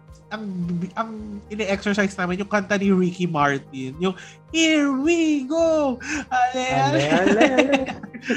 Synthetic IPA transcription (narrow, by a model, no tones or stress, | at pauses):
ʔɐŋʔɐŋɪnɐʔɛksɛɹsajsnaːmɛnjʊŋkɐnt̪ɐniɹikimaɹt̪̚ɪnjʊŋ | hiɹwiɡohɐlɛl